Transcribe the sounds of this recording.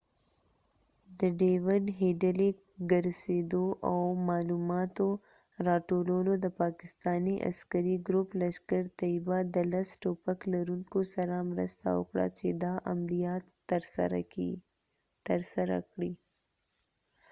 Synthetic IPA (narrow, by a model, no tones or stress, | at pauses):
d̪əɖewɪɖɦeɖəlek | ɡəɾsed̪oʔawmɑlumɑt̪o | ɾɑʈololod̪əpɑkɪst̪ɑniʔa̰skəɾiɡɾʊpləʃkaɾt̪aibad̪əlasʈopaklaɾuŋkosaɾamɾə̰st̪a̰wʊ̰kɽa̰t͡ʃed̪aʔamlijɑt̪ | ɾɾ̰i | t̪əɾsaɾa̰kɽi